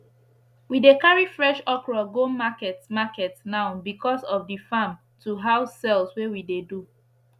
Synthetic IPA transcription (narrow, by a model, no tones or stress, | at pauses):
widekaɹifɹɛʃɔkɹɔɡomakɛtmakɛtnãʊ̃bikʰɔsɔfdifãm | tʰuɦaʊsːɛlˠswewidedu